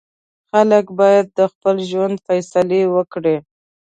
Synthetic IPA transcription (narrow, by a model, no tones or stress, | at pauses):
xaləkbɑjad̪̚ːəxpəlʒwand̪fajsalewəkɽe